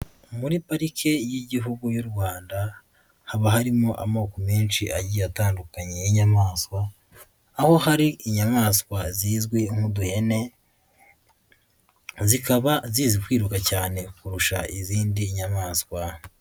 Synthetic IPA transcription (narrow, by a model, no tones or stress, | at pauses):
muɾipaɾikʰe̞jiɟiɦuɡujuɾɡwaːnda | haβaɦaɾimo̞ʔa̰moːkomeːnʃiʔaɟiːjataːndukaɲe̞jiɲamaːskwaː | ho̞haɾiʔːɲamaːskwaziːzɡwiŋ̥huduhe̞ne̞ | zikaβaziːzikwiːɾukacaːne̞kuɾuʃa̰iziːndiːɲamaːskwa